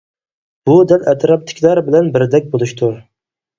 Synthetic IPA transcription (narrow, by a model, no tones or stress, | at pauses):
b̥ud̪ælʔɛt̪ʰɾɑp̚t̪ʰɪ̥kʲlæɾbɪlɛnbɪɾd̪ɛk̚ʲbolˠuʃt̪ʰu